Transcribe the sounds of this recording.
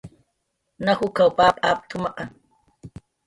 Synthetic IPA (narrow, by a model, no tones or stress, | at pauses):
nahʊkawpaːpʼaːp̚t̪ʊmɑqɑŋ